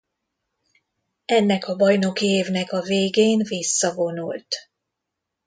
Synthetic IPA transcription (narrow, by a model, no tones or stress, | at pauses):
ɛnːɛkɒbɒjno̞kieːvnɛkɒveːɡeːnvisːɒvo̞nult̪